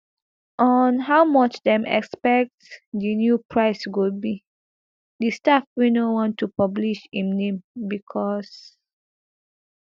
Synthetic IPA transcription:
ʔɔnɦawmɔt͡ʃdɛ̃mɛ̰kspɛk̚tdinjupʰɹaɪswud̚bi | distafwinowɔ̃ntʰːupɔbliʃĩmnẽmbikʰɔs

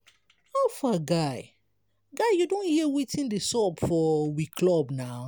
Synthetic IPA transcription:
afaɡaɪ | ɡaɪjudõnhiewitʰĩndesɔpfɔwikʰlɔbna

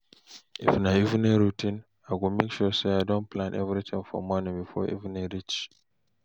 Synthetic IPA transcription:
ḭfnaɪiṽneɹutĩn | aɪɡumekʃuseaɪdɔ̃nplãnʔɛvɹit̪ʰĩŋfɔ̰mɔnɪ̃ŋbifɔ̰ʔḭṽneɹit͡ʃ

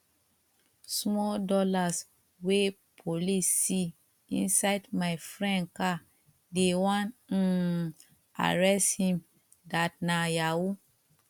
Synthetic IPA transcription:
smɔldɔlas | we | pʰolisi | ḭ̃nsaɪdmajfɹɛ̃nka | dewãn̩ | a̰ɹɛshĩm | datnajawu

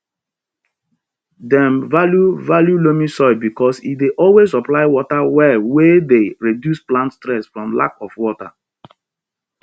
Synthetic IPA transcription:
dɛ̃mvaljuvaljulomĩsɔɪbikɔsḭt̚deʔɔlwezɔplaɪwɔtawɛwedeɹedjusplãntstɹɛsfɹɔ̃mla̰kɔfwɔta̰

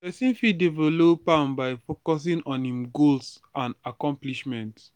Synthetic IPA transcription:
ɛsĩnfidevolopãnbaɪfokɔs̬ĩŋɔ̃nhĩmɡolsãnakɔ̃mpliʃmɛ̃nt

